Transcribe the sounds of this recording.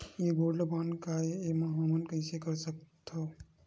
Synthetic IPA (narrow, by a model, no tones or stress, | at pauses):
jebʱoɽlobʱankaeemaɦəmənkəɪsekəɾsək̚t̪ʰo